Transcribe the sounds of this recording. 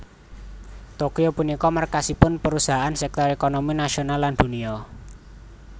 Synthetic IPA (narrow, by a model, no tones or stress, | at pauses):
t̪okiopunikɔmərkasipʊnpəɾusaɦaʔansɛk̚t̪ɔɾekonominasionalːand̪̥uniɔ